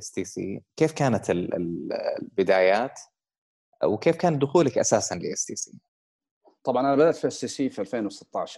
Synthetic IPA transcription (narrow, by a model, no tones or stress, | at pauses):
ʔɪsd̪iːsḭːkeːfkaːnat̪ɪlɪ̰lbɪd̪aːjaːt̪ | wkeːfkaːn̚d̪ʊxuːlakʔa̰saːsanlɪʔɪsd̪iːsḭː | t̪ˤɑbʕɑnʔanabad̪at̪fʔɪsiːsiːfiʔalfeːnwsɪ̥t̪ːɑʕʃɑ